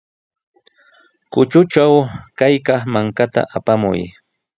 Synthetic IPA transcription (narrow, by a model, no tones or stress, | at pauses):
kʊt͡ʃʊt͡ʃawkajkɑχmaŋkat̪a̰ʔapamʊ̰j